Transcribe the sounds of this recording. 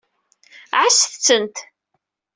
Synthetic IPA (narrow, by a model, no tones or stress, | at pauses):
ʕasθt͡sːənt̪